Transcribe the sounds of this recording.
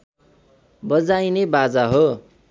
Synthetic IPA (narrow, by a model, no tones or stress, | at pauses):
bʌd͡zajnebad͡zaɦo